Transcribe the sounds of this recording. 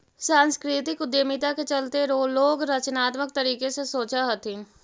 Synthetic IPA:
sãːnskɾit̪ɪkʊd̪jemit̪aket͡ʃɐlt̪eɾoːloːɡɾɐt͡ʃnaːt̪mək̚t̪ɐɾiːkesesoːt͡ʃaɦɐt̪ĩ

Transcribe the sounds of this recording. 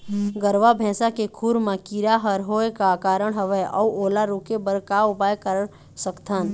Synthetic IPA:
ɡəɾʋabʱɛ̃ːsakekʰuɾmãkiɾaɦəɾɦoːekakaːɾəɽ̃ɦəʋɛʔɔuoːlaɾukebəɾkaʊpaːjkəɾ | səkt̪ʰan

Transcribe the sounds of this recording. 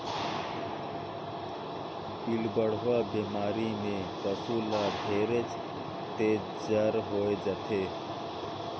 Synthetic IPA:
bilbəɽ̤ʋaːbeːmaːɾimẽpəsuːlaːb̪ʱeːɾet͡ʃ | t̪eː | d͡ʒəɾɦoːed͡ʒət̪ʰeː

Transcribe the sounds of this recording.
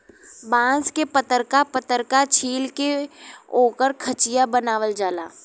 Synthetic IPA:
bãːskepət̪əɾkapət̪əɾkat͡ʃʰiːlkeoːkəɾkʰət͡ʃijabənaːʋəld͡ʒaːlaː

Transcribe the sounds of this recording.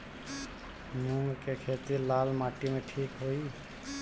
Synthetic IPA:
muŋɡkekʰet̪iɾlalmaʈimeʈʰikɦoj

